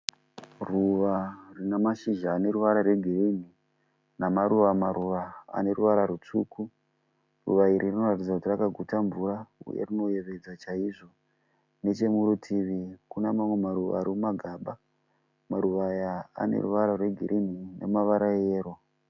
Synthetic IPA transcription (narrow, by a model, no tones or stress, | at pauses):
ruʋarinamaʃiʒaːne̞ɾuʋaɾarweɡʱirin̤i | namaɾuʋamaɾuʋaa̰ne̞ɾuʋaɾaɾut͡suku | rṵʋaiɾirino̞ratid͡zakutirakaɡʱutaɱvuɾaṵjḛrino̞je̞ʋed͡zat͡ʃaiʐo̞ | ne̞t͡ʃe̞muɾutʰiʋikunamamwe̞maɾuʋa̰ːɾiumaɡʱaɓa | maɾuʋaja̰ːnḛrṵʋaɾarwe̞ɡʱiɾʔin̤inḛmaʋaɾajeːro